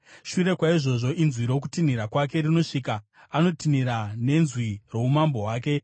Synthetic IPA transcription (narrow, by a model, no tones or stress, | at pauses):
ʃuɾe̞kwaiʐo̞ʐo̞ʔinzwiɾo̞k̬utin̤iɾakwak̬e̞rino̞ʂiːkaː | no̞tiniɾane̞nzwiro̞umambo̞ɦwaːk̬e̞